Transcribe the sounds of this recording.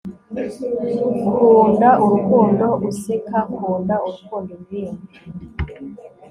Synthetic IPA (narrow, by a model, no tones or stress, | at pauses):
kʰundaʔukundɔʔusikʰakʰundaulukʰundɔniːni